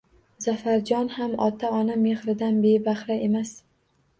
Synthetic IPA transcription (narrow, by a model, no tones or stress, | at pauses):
z̥afaɾd͡ʒɒnhamɒ̰t̪ʰaɒname̞χɾɪd̪anbe̞baχɾae̞mas